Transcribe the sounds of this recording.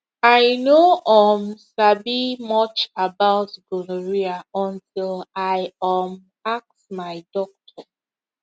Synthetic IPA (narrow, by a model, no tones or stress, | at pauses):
aɪnoʔɔmsabimɔt͡ʃabaʊtɡoloɹiaɔ̃ntʰɪlaɪɔm | ak̚smaɪdɔk̚tʰɔ